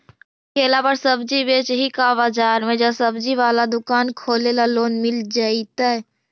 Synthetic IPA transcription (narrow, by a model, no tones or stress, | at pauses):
kʰeːlabəɾsəbd͡ʒiʋet͡ʃɦikaʋad͡ʒaːɾmẽd͡ʒɐsəbd͡ʒiʋaːlad̪ʊkaːnkʰoːlelaloːnmɪld͡ʒaːit̪aɦɛ